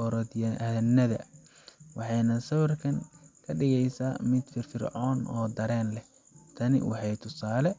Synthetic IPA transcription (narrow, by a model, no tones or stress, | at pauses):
ɔɾɔd̪jɐnɐðɐ | wɑħɑjnɐsɐwɐrkʰɐŋkʰɐɖɪɣɛjsaːmɪd̪fɪrfɪrʕɔːnɔːd̪ɐɾɛːnlɛ | t̪ʰɐnɪ̰wɑ̰ħɑjt̪ʰʊsaːlɛ